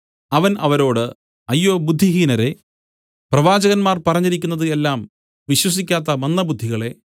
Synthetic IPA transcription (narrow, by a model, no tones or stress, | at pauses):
ɐʋɐnɐʋɐɾo̞ːɽɨ | ɐjːoːbud̪ʱːiɦiːnɐɾe̞ | prɐʋaːd͡ʑɐɣɐnmaːrpɐrɐɲːiɾik̬ʲːunːɐðɨe̞lːaːm | ʋiɕwɐs̬ikʲːaːt̪ːɐmɐnːɐbud̪ʱːiɣɐɭe̞